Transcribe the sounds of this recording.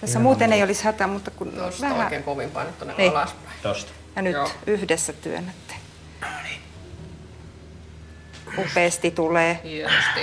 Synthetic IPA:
t̪æsːæmuːt̪eneiolishɑt̪ɑmut̪ːɑkunʋæhmækeŋkoʋimpɑ̰net̪t̪ːuneelɑspɑt̪ost̪ | jɑnyt̪yhdesːæt̪y̰ø̰net̪ːæ̥ | upeːst̪it̪uleːest̪i

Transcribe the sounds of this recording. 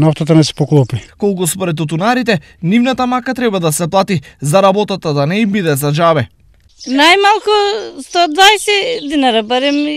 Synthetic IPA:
nɔft̪at̪anɛsɛ̥pɔklˠɔpikɔlˠkuspɔɾɛt̪ːut̪̬unaɾit̪ɛ | nivnat̪amakat̪ɾɛbad̪asɛplˠat̪izaɾabɔt̪at̪ad̪anɛimbid̪ɛzaʒavɛ | najmalˠkust̪ɔd̪vaɛsɛd̪inaɾabaɾɛm

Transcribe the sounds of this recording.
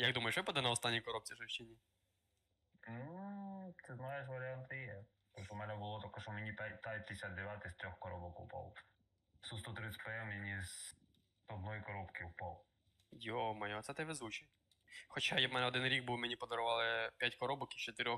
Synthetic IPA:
jɐɡd̪umɐjʊʃʋɪpɐd̪ɛnɐɔst̪ɑnʲːikɔɾɔp̚t͡sʲiʒɔwʃt͡ʃenʲi | sɛznajeʃ̬ʋɐɾʲɪant̪ɪjɛ | t̪ɔpt̪ɔmɛnɛbʊlˠɔt̪ɔkɔʃɔmenʲipat̪ap̪ʲɪsʲad̪d̪eʋʲjat̪ɪst̪ɾʲɔxkɔɾɔbɔkʊwpɔ̰lˠ | sust̪ɔt̪ɾɪsʲtʲpɛɛmjʲinʲiz | ɔd̪nɔjikɔɾɔpkɪwpɔlˠ | jomɐjɔt̪sɛt̪ɪʋɪzut͡ʃi | xɔt͡ʃajamɛnɛɔd̪ɪnɾʲiɡ̚buwmʲenʲipɔd̪ɔɾʊʋɑlˠɪpʲjatʲkɔɾɔbɔkit͡ʃɔt̪ɪɾʲɔx

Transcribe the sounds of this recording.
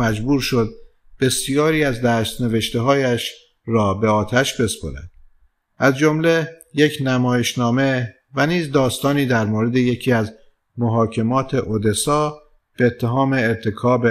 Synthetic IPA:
æd͡ʒbuːɾʃo̞d̪̚ | b̥e̞sijɒːɾiːæzd̪æːst̪ne̞ve̞ʃt̪eɦɒːjæʃ | ɾɒːbe̞ɒːt̪ʰæʃbe̞spo̰ɾæ̰nd̪̥̚ | ʔæzd͡ʒo̞mle̞jecʰnæmɒːjeʃnɒːme̞ | væniːzd̪ɒːst̪ɒːniːd̪æɾmoːɾe̞d̪eje̞cʰiːæz | moɦɒːcʰe̞mɒːt̪ʰe̞ʔod̪e̞sɒː | b̥eːt̪ʰːe̞ɦɒːme̞ːɾt̪ʰe̞kʰɒːbe

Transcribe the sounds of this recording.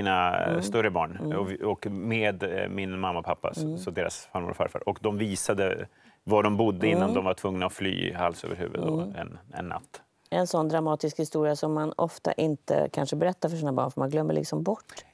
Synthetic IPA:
iːnast̪ɵɾəbɑːɳɔɔkmeːd̪mɪnmamːapʰapːa̰ssɔd̪eːɾa̰sfaɾmṵːɾfaɾfa̰ːɾɔkd̪ɔmviːsad̪ə | vaɖɔmbʊd̪ːəɪnːand̪ɔmvaʈʰvɵŋnaɔfly̰ːhalsø̰ːvəɾɦʉ̟ːvə̰t̪d̪ɔɛ̰nɛ̰nːa̰t̪ː | ɛnsɔnːd̪ɾamɑːt̪ɪskhɪst̪uːɾɪasɔmːanɔft̪a̰ʔɪnt̪ə̰kʰanʂəbɛɾɛt̪ːaɾfœʂ̬iːnabɑ̰ːɳfœɾmanɡlœmːə̰ɭʔɪ̰ksɔmbɔʈː

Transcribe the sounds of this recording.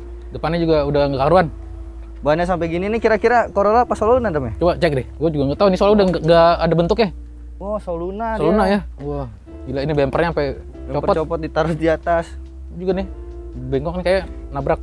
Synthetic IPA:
dəpanɪd͡ʒuɡaudaŋɡakaɾuan | baɲas̬ampɛɡininikiɾakiɾakoɾolapasolunadamɛt͡ʃubat͡ʃɛk̚dɪhɡuad͡ʒuɡaŋɡat̪aunisoalaudaaŋɡaːdabənt̪ʊkɪh | ɔsolunasolunajauah | bilainibɛmpərɲaampɛ | t͡ʃɔppɔtt͡ʃɔpɔt̪̚dit̪aɾʊsdiat̪as | d͡ʒuɡanɪhbeŋɡɔk̚nɪkajanabɾak̚

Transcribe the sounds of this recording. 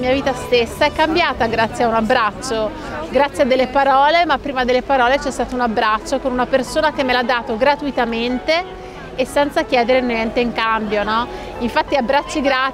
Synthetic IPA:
miːaviːt̪ast̪esːaɛkːambjaːt̪aɡɾat̪sːjeaunabːɾat͡ʃːo | ɡɾat̪sːjead̪ːelːepaɾɔːlemapːɾiːmad̪elːepaɾɔːlet͡ʃɛst̪aːt̪ounabːɾat͡ʃːokonunapersoːnakemːelad̪ːaːt̪oɡɾat̪uit̪ament̪eː | sːɛnt̪sak̟jɛːd̪eɾenojɛnt̪eiŋkambjonɔ | iɱfat̪ːiabːɾat͡ʃːiɡɾa

